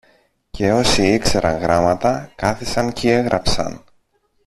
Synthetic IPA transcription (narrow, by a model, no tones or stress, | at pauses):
ce̞o̞siikse̞ɾʔɐŋɣɾɐmɐt̪ɐkɐθisɐncie̞ɣɾʔɐpsɐ̰n